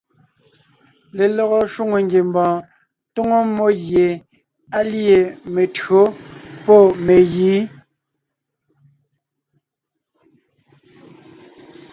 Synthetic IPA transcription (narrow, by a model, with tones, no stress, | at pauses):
le˨lɔ˨ɣɔ˨ʃwu˦ŋo˨ŋɡje˨mbɔ̃ː˨ | to˦ŋo˦mːo˦ɣje˨ | a˦lje˨me˨tɰo˦pɔ˦˨me˨ɣiː˨˦